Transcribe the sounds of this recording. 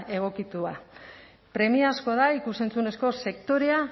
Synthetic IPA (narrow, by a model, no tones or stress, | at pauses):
e̞ɣ̞o̞kit̪ua | pɾe̞miasko̞ðaikuse̞nt͡sune̞sko̞se̞kt̪o̞ɾe̞a